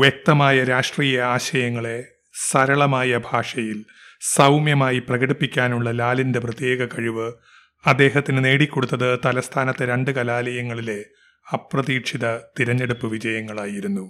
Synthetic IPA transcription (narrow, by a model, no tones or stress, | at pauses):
ʋjɐk̚t̪ɐmaːjɐɾaːʂʈriːjɐaːɕɐjɐŋːɐɭe̞ | sɐɾɐɭɐmaːjɐbʱaːʂɐjil | sɐwmjɐmaːjiprɐɣɐɽipːikʲːaːnuɭːɐlaːlinde̞prɐt̪jeːɡɐkɐɻiʋɨ | ɐd̪ːe̞ːɦɐt̪ːinɨne̞ːɽikʲːo̞ɽut̪ːɐðɨt̪ɐlɐst̪ʰaːnɐt̪ːeɾe̞ɳɖɨkɐlaːlɐjɐŋːɐɭile̞ | ɐprɐðiːʈʂiðɐt̪iɾɐɲːe̞ɽupːɨʋid͡ʑɐjɐŋːɐɭaːjiɾunːu